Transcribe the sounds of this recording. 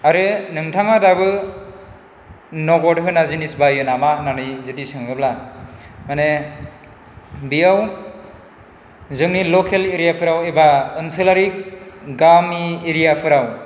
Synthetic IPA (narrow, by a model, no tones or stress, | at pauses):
aɾɯnɯŋtʰaŋadaβɯ | nɔɡɔdɦɯnazinisbajɯnamananɯjzɯdisɯŋɯbla | mane | bijaw | zɯŋnilokʰeleɾijapʰɯɾawebaɯnsɯlaɾik̚ɡamieɾijapʰɯɾaw